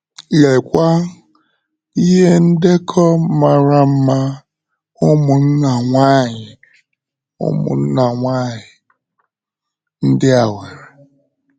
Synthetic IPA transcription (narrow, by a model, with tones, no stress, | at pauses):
e˨kʷa˦ | i˦ɦe˦n̩˦de˦kʰɔ˦ma˨ɾa˨m̩˦ma˦ | ʊ˦mʊ˨n̩˦na˨ŋʷa˦˨ɲɪ˨ | ʊ̰˦mʊ̰˨n̩˦na˨ŋʷaː˦˨ɲɪ˨ | n̩˦dɪ˦a˨we˨ɾe˨